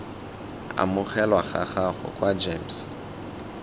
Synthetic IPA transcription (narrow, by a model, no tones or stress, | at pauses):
a̰mʊχɛlwaχa̰χaχʊ̰kʼwad͡ʒems